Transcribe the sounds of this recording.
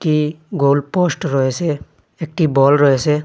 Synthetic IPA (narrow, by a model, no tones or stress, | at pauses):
ʈiɡolposʈɾɔesɛ | ek̚ʈibɔlɹɔesɛ